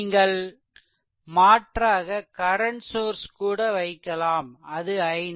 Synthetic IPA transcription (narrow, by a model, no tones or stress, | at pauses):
ŋɡɐɭ | maːʈraːɣɐkɐɾɐɳʈsoːɾskuːɽɐʋɐɪkːɐlaːmɐðɯɐɪn